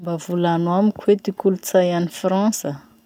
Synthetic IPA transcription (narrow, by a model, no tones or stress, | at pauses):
mbavulanwamikʰwet̪ikulut͡sajanifrɑ̃sə